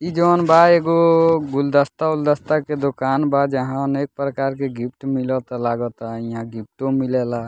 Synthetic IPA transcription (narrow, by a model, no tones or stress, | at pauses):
id͡ʒɔnbaeɡoɡuld̪əst̪auld̪əst̪aked̪okaːnbad͡ʒəɦãənek̚pɾəkaɾkeɡipʰʈmilɔt̪laɡɔt̪aiãɡip̚ʰʈõmilela